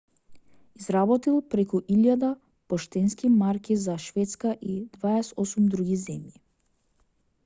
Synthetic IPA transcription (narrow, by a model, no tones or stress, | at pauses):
izɾabɔt̪ilˠpɾɛkuʔiʎjad̪a | pɔʃt̪ɛnskimaɾkʲizaʃvɛt̪skaʔid̪vaɛsɔsumd̪ɾuɡizɛmji